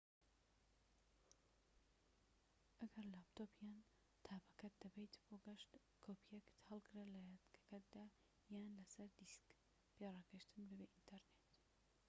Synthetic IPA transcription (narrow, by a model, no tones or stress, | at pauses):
ʔɐɡɐɾlɐapt̪ʰoːpjan | t̪ʰaːbɐkɐt̪̚d̪ɐbejt̪b̥oːɡɐʃt̪ | kʰoːpijekt̪hɐlˠkɾalɐjat̪kʰɐ̥kɐt̪̚d̪a | jaːnlɐsɐɾd̪isk | perɑːɡɐʃt̪ɨnbɨbeʔint̪ʰɐɾnet̪